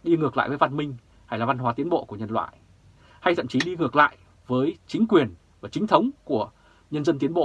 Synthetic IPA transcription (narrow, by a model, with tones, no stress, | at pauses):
ɗi˧ŋɨ˨˩əkla̰ː˧˨jvə˨˦jva˧˩nmï˧ŋ̟ | ha˧jlaː˨˩va˧nɦwaː˨˦t̪i˨˦ənɓo̰˧˨ku˧˩əɲə˧nlwa̰ː˧˨j | ha˧jt̪ʰə̰˧˨mt͡ɕi˨˦ɗi˧ŋɨ˨˩ək̚la̰ː˧˨jʔ | vəː˨˦jt͡ɕï˨˦ŋ̟kwi˨˩ən | vaː˨˩t͡ɕï˨˦ŋ̟t̪ʰə˨˦wŋ͡mku˧˩ə | ɲə˧nzə˧nt̪i˨˦ənɓo̰˧˨